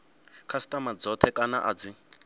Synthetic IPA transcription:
kʰasi̥tʼamad͡zɔtʰɛkʼana̰ʔa̰d͡zi

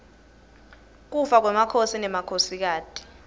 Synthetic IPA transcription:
k̬ufak̬wɛmakʰosinɛmakʰosik̬aːtʰʼi̥

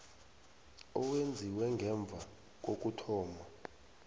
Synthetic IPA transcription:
ɔwend͡zʱiwɛŋɡʱɛɱb̪vʱa | k̬ok̬utʰɔːma

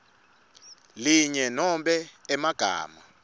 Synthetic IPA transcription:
liɲɛnɔmɓɛɛmaɡ̥ʱa̰ːma̰

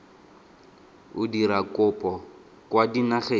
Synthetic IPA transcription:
ʊdiɾakʊpʼɔ | kwadinaχe

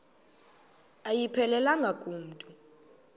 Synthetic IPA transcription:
ajipʰɛlɛlaŋɡʱakʼuːmtʼu

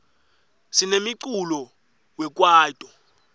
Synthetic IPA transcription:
sinemiǀulɔ | wɛk̬ʼwaːtʼɔ

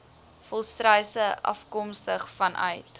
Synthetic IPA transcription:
fɔlˠstrəjsəʔɐ̰fkɔmstəχfɐnʔœ̰ɥt

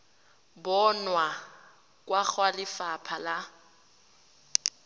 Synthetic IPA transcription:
bɔnwa | kʼwak͡xʰwalɪfapʰala

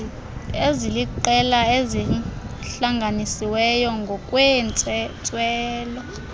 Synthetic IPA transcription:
eziliǃɛlaezi | ɬaŋɡʱanisiwɛjɔŋɡʱɔkʼwɛnnt͡sʼwɛːlɔ

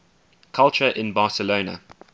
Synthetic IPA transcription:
kʰalˠt͡ʃəʔɪ̃nbɑːˑsəlonə̰

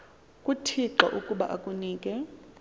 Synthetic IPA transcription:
kʼutʰiǃwa̰ʔukʼuɓa̰ʔakʼuniːkʼɛ

